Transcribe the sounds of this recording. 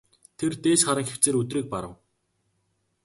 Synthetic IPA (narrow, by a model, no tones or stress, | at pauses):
t̪ʰert̪eːʃχaɾə̆ŋxew̥t͡seːɾɵt̪riːk̚paɾə̆w